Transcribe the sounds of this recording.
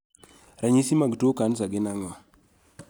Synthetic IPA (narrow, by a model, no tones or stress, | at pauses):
ɾaɲisimaɡtokansaɡɪnaŋwa